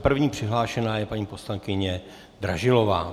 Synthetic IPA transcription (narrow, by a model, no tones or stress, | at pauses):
pr̩vɲiːpr̝̥ɪɦlaːʃɛnaːjɛpaɲiːposlaŋkɪɲɛ | d̪ɾa̰ʒɪlo̞va̰ː